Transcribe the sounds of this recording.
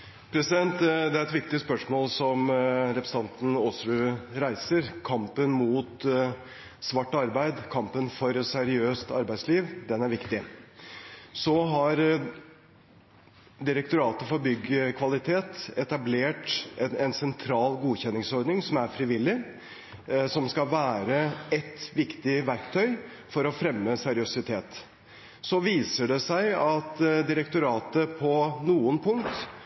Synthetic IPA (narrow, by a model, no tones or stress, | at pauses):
pʰɾɛsɪd̪ɛnt̪d̪ɛæɾɛt̪ʋɪkt̪ɪspœʂmoːlsɔmɾɛpɾəs̩ɑnt̪n̩osɾʉɾæɪsəɾkʰɑmpənmuːt̪ | sʋɑʈːɑɾbæɪd̪kʰɑmpənfɔɾsæɾɪøːst̪ɑɾbæɪsliːʋd̪ɛnæɾʋɪkt̪ɪ | sɔɦɑɾ | d̪ɪɾək̚t̪ʊɾɑːt̪əfɔɾbʏɡːəkʰʋɑlɪt̪ʰeːt̪ɛt̪ɑbleːʈɛnsɛnt̪ʰɾɑːlɡuːçɛnːɪŋsɔɾɖ̪nɪŋsɔmæɾfɾɪʋɪlːɪ | sɔmskɑlʋæːɾəɛt̪ʋɪkt̪ɪʋæɾkt̪ʰœʏ | fɔɾɔfɾɛmːəsɛɾɪʊsɪt̪ʰeːt̪ | sɔʋiːsəɖɛsæɪɑt̪d̪ɪɾɛkt̪ʊɾɑːt̪əpʰɔnuːənpʰʊŋ̚t̪